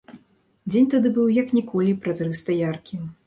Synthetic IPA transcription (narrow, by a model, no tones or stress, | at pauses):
d͡zʲenʲt̪ad̪ɨbɨwjɐknʲɛkɔlʲipɾazɾɨst̪ɐjarkʲim